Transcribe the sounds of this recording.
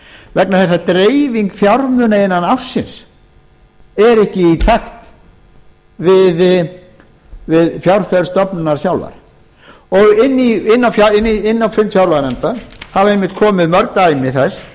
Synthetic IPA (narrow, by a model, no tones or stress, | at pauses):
vɛknaθɛs̬ːat̪ɾeːjviŋkfjawɾmʏːnaɪnːanawsːɪns | ɛɾɛhcɪit̪ʰaxt̪ | vɪð | vɪðfjawɾ̥fɛðɾ̥st̪ɔpnʏnaɾ̥sjawlva̰ɾ̥ | ɔɣɪnːiɪnːawfjaɪnːiɪnːawfɪmt̪fjawɾlanɛnt̪ahavaɾejmːɪht̪̚kʰɔːmɪðmœɾkt̪ajmɪθɛs